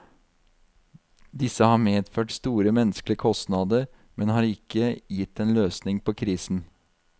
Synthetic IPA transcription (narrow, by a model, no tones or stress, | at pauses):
d̪ɪsəhɑːɾmeːd̪føːʈst̪uːɾəmɛnəsklɪəkʰɔst̪nɑːd̪əɾ | mɛnhɑːɾɪkːəjɪt̪ːeːnløːsnɪŋpʰoːkʰɾiːsn̩